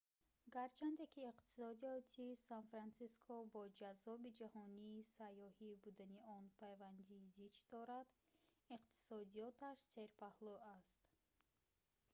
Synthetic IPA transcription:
ɡaɾt͡ʃʰand̪ekʰiːqt̪ʰi̥sɔd̪iɔt̪ʰisanfɾansiskʰɔbɔd͡ʒazɔbid͡ʒahɔniːsajːɔhibud̪aniɔnpʰajvand̪iːzit͡ʃd̪ɔɾad̪ | iqt̪ʰi̥sɔd̪ijɔt̪ʰaʃse̞ɾpahlɔast̪

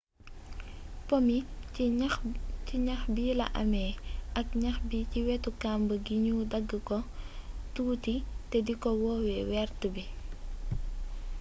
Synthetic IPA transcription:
pɔmi | ciɲɐxbiːlɐ̰ʔɐmɛʔɐk̚ɲɐxbiciwɛtukambəɡiɲudɐɡːəkɔtuːtitɛdikɔwɔːwɛwɛrtəbi

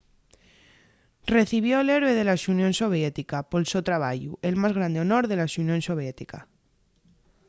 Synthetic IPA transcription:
reθiβ̞joeleɾweð̞e̞laʃunjonsoβ̞jet̪ikapolsot̪ɾaβaʝuelmazɣ̞ɾand̪eonoɾðe̞laʃunjõnsoβ̞jet̪ika̰

